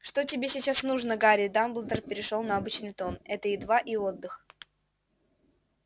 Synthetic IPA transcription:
ʂt̪otʲɪbʲesʲɪt͡ɕasnuʐnəɡaɾʲɪd̪amblˠd̪ərpʲɪɾʲɪʂolˠnɐɐbɨt͡ɕnɨjt̪o̞nɛt̪əid̪vaʔio̞d̪ːɨx

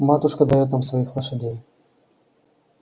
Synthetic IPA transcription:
mat̪ʊuʂkəd̪ɐjot̪namsvɐixlˠɐʂɐdʲej

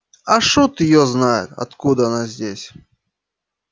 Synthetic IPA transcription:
aʂut̪jɔznajʊ̰t̪ɐ̰t̪kud̪əɐnazʲdʲesʲ

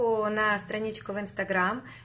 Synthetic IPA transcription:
ʊnɐst̪ɾɐnʲit͡ɕkʊvɪnst̪ɐɡɾam

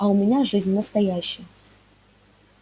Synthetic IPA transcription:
ɐʊmʲɪnʲaʐɨzʲnʲnəst̪ɐjæɕːɪjə

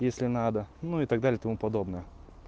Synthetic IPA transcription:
jesʲlʲɪnad̪ənuɪt̪aɡ̚d̪alʲɪjt̪ɐmupɐd̪o̞bnəjə

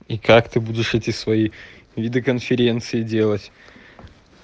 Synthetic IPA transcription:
ikakt̪ɨbudʲɪʂɛtʲɪsvɐivʲɪd̪ɨkənfʲɪɾʲe̞nt̪sɨɪdʲe̞lˠətʲ

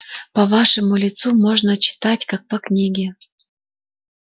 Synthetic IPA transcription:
pɐvaʂɨmulʲɪt̪sumoʐnət͡ɕɪ̥t̪atʲkak̚pɐknʲiɡʲɪ

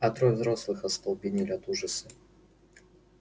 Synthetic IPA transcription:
ɐt̪ɾojvzɾoslˠɨxɐst̪ɐlˠpʲɪnʲelʲɐt̪uʐəsɨ

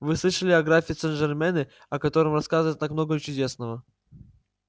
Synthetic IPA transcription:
vɨslˠɨʂəlʲɪɐɡɾafʲiːt̪sɛnʐɛrmʲɛnɨ | ɐkɐt̪o̞ɾɨmrɐskazɨvəjt̪akmno̞ɡət͡ɕʊdʲe̞snəvə

